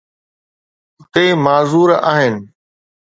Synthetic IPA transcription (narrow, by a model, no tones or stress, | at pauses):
əqeːmaːzuːɾaːɦɪnɪ̆